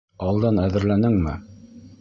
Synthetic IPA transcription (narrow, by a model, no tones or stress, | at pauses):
ɑlˠd̪ɑnæðɘ̆ɾlænɘŋmɘ